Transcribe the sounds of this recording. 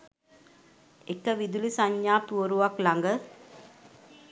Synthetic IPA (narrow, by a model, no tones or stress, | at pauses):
ekəʋid̪ulisaɲːaːpuoɾuʋaklaŋɡə